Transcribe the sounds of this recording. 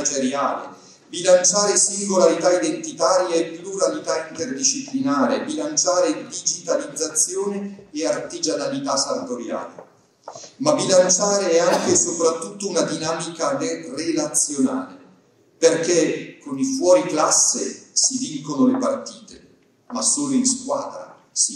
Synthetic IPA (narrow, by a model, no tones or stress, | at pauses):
d͡ʒeɾjaːlḛ | bilant͡ʃaːɾesiŋɡolaɾit̪aid̪ent̪it̪aːɾjaepːluɾalit̪aint̪erd̪it͡ʃːiplinaːɾebilant͡ʃaːɾed̪id͡ʒit̪alid̪zːat̪sːjoːneːart̪id͡ʒanalit̪asanat̪oɾja̰ːlḛ | mabilant͡ʃaːɾeɛaŋkesopɾat̪ːut̪ːounad̪inaːmikarelat̪sːjona̰ːle | perkekonifwɔːɾiklasːḛsid̪idkonolepart̪iːt̪e | masːoːloinskwa̰ːd̪ɾa̰ | si